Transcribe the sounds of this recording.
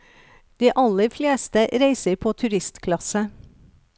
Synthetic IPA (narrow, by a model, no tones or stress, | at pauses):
d̪̥iːʔɑləfleːst̪əɾeɪsəɾpʰoːt̪ʰʉɾɪst̪kʰlɑsə